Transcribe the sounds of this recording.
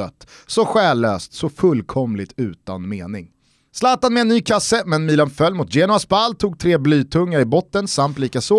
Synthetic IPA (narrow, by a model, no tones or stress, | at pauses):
œ̰t̪ːsɔɧɛːlːø̰ːst̪sɔfɵlkʰɔmlɪt̪ʉ̟ːt̪a̰nmeːnɪ̰ŋ | slɑːt̪anmɛɛnːyːkʰasəmɛnmiːlanfœlːmʊt̪jeːnʊasbalːt̪ʰuːɡ̚t̪ʰɾeːblyːt̪ʰɵŋːaɾɪbɔt̪ːənsamt̪liːkasɔ